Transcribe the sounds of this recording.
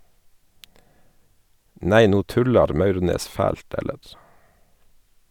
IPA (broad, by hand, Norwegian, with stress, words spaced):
ˈneɪ ˈnuː ˈtʉlɑɾ ˈmɑʉʁneːs ˈfæːlt ˈɛləɾ